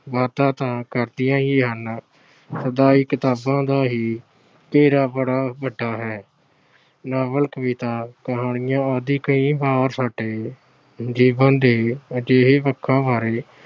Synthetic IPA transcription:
ʋaːt̪ãːt̪ãːkəɾd̪ɪjãːɦiːɦən | səd̪aːiːkɪt̪aːbãːd̪aːɦiː | keːɾaːbəɽaːbəɖaːɦɛː | naːbəlkəʋiːt̪aːkəɦaːɳɪjãːəd̪iːkəĩːbaːɾsaːɖeː | d͡ʒiːbə̃nd̪eːəd͡ʒeːɦeːpəkʰːãːbaːɾeː

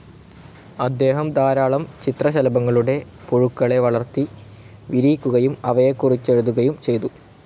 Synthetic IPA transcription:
ɐd̪ːe̞ːɦɐmd̪aːɾaːɭɐmt͡ɕit̪rɐɕɐlɐbɐŋːɐɭuɽe̞ | poɻukːɐɭe̞ʋɐɭɐrt̪ːi | ʋiɾiːkʲːuɣɐjumɐʋɐjekːurit͡ɕːe̞ɻuðuɣɐjumt͡ɕe̞jt̪u

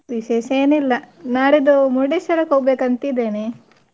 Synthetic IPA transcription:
ʋiʃeːʃeːnilːɐnaːɽid̪umuɖeʃɐɾɐkɦoːɡbeːkɐnt̪id̪eːne

